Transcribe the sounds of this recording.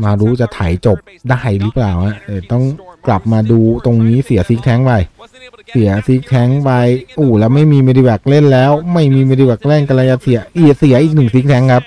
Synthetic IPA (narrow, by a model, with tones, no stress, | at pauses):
maː˧ɾuː˦˥t͡ɕa˨˩t̪ʰa˨˩˦jt͡ɕo˨˩p̚ | daː˥˩jɾɯː˦˥plaː˨˩wha˧˦˥ʔʔɤː˧˩t̪ɔ˥˩ŋkla˨˩p̚maː˧duː˧t̪o˧ŋniː˦˥si˨˩˦si˦˥k̚t̪ʰɛː˦˥ŋpa˧jsi˩˦ɐsi˦˥k̚t̪ʰɛ˦˥ŋpa˧jʔuː˨˩lɛː˦˥ma˥˩jmiː˧me˧ɾi˧wɛː˨˩k̚le˥˩nlɛː˦˥wma˥˩jmiː˧meː˧ɾi˧wɛː˨˩k̚le˥˩nka˧la˧ja˧˩si˨˩˦ɐʔiː˨˩si˩˦ɐʔiː˨˩k̚nɯ˨˩ŋsi˦˥k̚t̪ʰɛː˦˥ŋkʰa˦˥p̚